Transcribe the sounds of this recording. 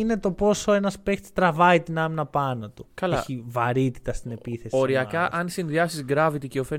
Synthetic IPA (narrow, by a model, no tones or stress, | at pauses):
ine̞t̪o̞po̞soe̞nɐspekt̪st̪ɾɐvɐit̪inɐminɐpɐnɐt̪ukɐleçivɐɾit̪i̥t̪ɐst̪ine̞piθe̞soɾiɐkɐʔɐnsinðiɐsizɡɾɐvit̪iceofe